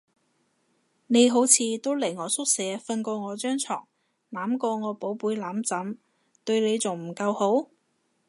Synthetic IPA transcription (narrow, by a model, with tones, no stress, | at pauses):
ne˨˧jɦo˨˥wt͡sʰiː˨˧t̪o˥wlɐ˨˩jŋɔː˨˧sʊ˥k̚sɛː˨˥fɐ˧nkɔː˧ŋɔː˨˧t͡ʃœː˥ŋt͡sʰɔ̰ː˨˩ŋ | laː˨˥mkɔː˧ŋɔː˨˧po˨˥wpuː˨˥jlaː˨˥mt͡sɐ˨˥m | t̪ɵ˧ɥle˨˧jt͡sʊ˨˩ŋm̩˨˩kɐ˧who˨˥w